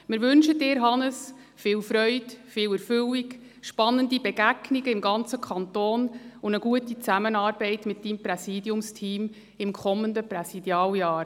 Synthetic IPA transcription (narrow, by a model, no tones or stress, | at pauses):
mɪːɾʋʏnʃədɪːɾɦɑnəs | fɪːlfɾœʏdfɪːlɛɾfʏlik | ʃpɑnːəndibɛɡ̥æɡniɡəɪmɡɑnt͡səkʰɑntoːnʊnəɡ̥uətit͡sæmənɑːɾbɛɪtmɪt̚d̥imprɛsiːdjʊmstʰiːm | ɪmkʰɔməndəprɛsidjɑːljɑːɾ